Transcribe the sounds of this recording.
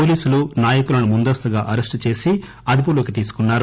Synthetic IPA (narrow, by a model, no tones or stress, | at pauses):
oːliːsulunaːjɐkulɐnumund̪ɐst̪uɡaːʔɐɾesʈt͡ʃe̞ːsi | ɐd̪ip̬uloːkit̪iːsu̥kunːaːɾu